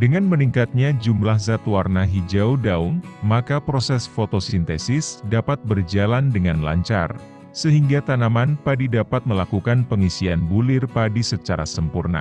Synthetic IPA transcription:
dəŋanməniŋkat̪̚ɲad͡ʒumlahzat̪uwarnaɦid͡ʒaudauŋmakapɾosɛsfot̪osint̪ɛsɪsdapat̪̚bərd͡ʒalandəŋanla̰ɲt͡ʃa̰r | səɦiŋɡat̪anamanpadidapat̪̚məlakukanpəŋisianbulɪrpadisət͡ʃaɾa̰səmpurna̰

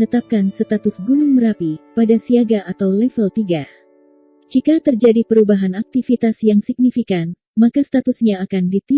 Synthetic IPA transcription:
nət̪ap̚kansət̪at̪ʊsɡunʊŋməɾapipadasiaɡaʔat̪awlɛfəlt̪iɡa | d͡ʒikat̪ərd͡ʒadipəɾubaɦanak̚t̪ifit̪asjaŋsik̚nifikan | makast̪at̪usɲaːkandit̪i

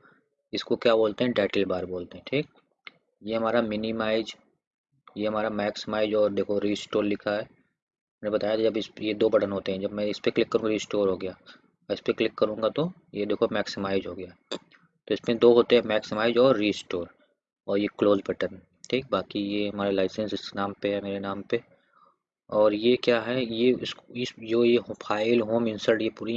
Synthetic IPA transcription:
ɪskokjaːboːlt̪eɦɛ̃ɖɛːʈelbaːɾboːlt̪eɦɛ̃ʈʰiːk̚ | jeɦɐmaːɾamɪnimaːɪd͡ʒ | jeɦɐmaːɾamɛːksɪmaːɪd͡ʒɔːɾd̪eːkʰoɾiːsʈoːɾlɪkʰaɦɛː | mɛ̃ːnebɐt̪aːjat̪od͡ʒɐbɪsjed̪oːbɐʈənɦoːt̪eɦɛ̃d͡ʒɐbmɛ̃ɪspeklɪkːɐɾũːŋɡaɾiːsʈoːɾɦoːɡɐjaː | ɪspeklɪkːɐɾũːŋɡat̪o | jed̪eːkʰomɛːksɪmaːɪzɦoːɡɐja | t̪oɪsmẽd̪oːɦoːt̪eɦɛ̃mɛːksɪmaːɪd͡ʒɔːɾːiːsʈoːɾ | ɔːɾjekloːzbɐʈən | ʈʰiːk̚baːkijeɦɐmaːɾelaːɪsə̃nsɪskenaːmpeɦɛmeːɾenaːmpe | ɔːɾjekjaːɦɛjeɪskɪd͡ʒoːjeɦpʰaːɪlɦoːmɪ̃nsəɖjepuːɾi

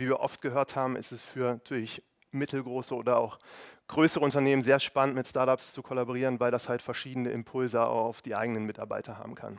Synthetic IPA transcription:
viːviːɐʔɔ̰ftɡ̥əɦøːɐthaːbm̩ʔɪ̰stɛsfyːɐnatʰyːɐlɪç | mɪtʰl̩ɡʁoːsəoːdɐa̰ʊxɡ̥ʁøːsəʁəʊntɐneːmənzeːɐʃpanəntmɪtstaɐtapst͡sukʰoɔlaboʁ̞iːʁənvaɪldashaltfɛɐʃiːdən̩əʔɪ̰mpʰʊlzəa̰ʊxaʊfd̥iːʔa̰ɪɡənənmɪta̰ɐba̰ɪtʰɐha̰ːbm̩kʰa̰n

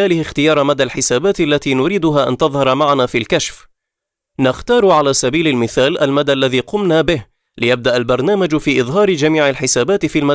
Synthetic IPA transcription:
aːlɪhɪxt̪ɪjɑːɾˤmad̪alħɪsaːbaːt̪ʔalːat̪iːnʊɾiːd̪ʊɦaːʔa̰nt̪ɑðˤhɑɾˤmaʕanaːfilkaʃf | nɪxt̪ɑːɾˤʕalaːsabiːlalmɪθaːlʔalmad̪aʔlːaðiːqʊmnaːbɪh | lɪjab̚d̪aʔalbɑɾˤnaːmad͡ʒfiːʔɨðˤɦɑːɾɪd͡ʒamiːʕalħɪsaːbaːt̪ɪfiːlma

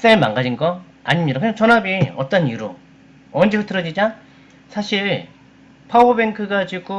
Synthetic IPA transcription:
s͈eɭmaŋɡad͡ʑinɡʌ | a̰ɲimɲidakɯɲaŋt͡ɕʌnabiʌ̰t͈ʌniɾu | ʌnd͡ʑikʰotʰɯɾʌd͡ʑid͡ʑa | sʰaɕʰiɭ | pʰaobe̞ŋkʰɯɡad͡ʑiɡo

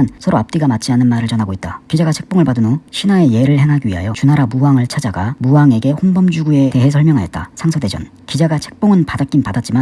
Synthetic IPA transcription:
nsʰʌɾoap̚t͈iɡamat͡ɕ͈ʰianɯnmaɾɯɭt͡ɕʌnɦaɡoit̚t͈akid͡ʑaɡat͡ɕʰe̞k̚p͈oŋɯɭpadɯnoɕʰinae̞je̞ɾɯɭhe̞ŋɦaɡiɥiɦa̰jot͡ɕunaɾamuwaŋɯɭt͡ɕʰad͡ʑaɡamuwaŋe̞ɡe̞ɸonbʌmd͡ʑuɡue̞te̞ɦe̞s̬ʰʌɭmjʌŋɦajʌt̚t͈asʰaŋsʰʌded͡ʑʌ̰n | kid͡ʑaɡat͡ɕʰe̞k̚p͈oŋɯnpadak͈inpadat̚t͡ɕ͈ima

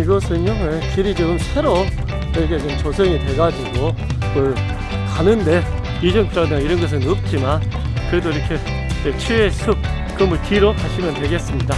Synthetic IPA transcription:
iɡʌsʰɯɲoje̞kiɾid͡ʑʌɡɯmsʰe̞ɾo | inikʰed͡ʑɯt͡ɕʌsʰeŋitwe̞ɡad͡ʑiɡomɯɭ | kanɯnde̞ | id͡ʑʌŋpʰiɾadeŋiɾʌnɡʌs̬ʰɯnɯp̚t͡ɕ͈iman | kɯɾe̞doiɾʌkʰe̞ | jet͡ɕʰiesʰɯk̚ | k͈ɯmʌkiɾohaɕʰimjʌntwe̞ɡe̞s͈ɯmɲida

